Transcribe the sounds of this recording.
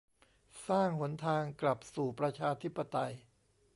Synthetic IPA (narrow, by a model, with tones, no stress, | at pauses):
saː˥˩ŋhu˩˦ənt̪ʰaː˧ŋkla˨˩p̚suː˨˩pɾa˧t͡ɕʰaː˧t̪ʰi˦˥pːa˧t̪a˧j